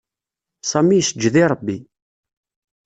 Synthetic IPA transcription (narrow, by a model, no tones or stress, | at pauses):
sˤɑmːijsəd͡ʒːðiɾˤəbːi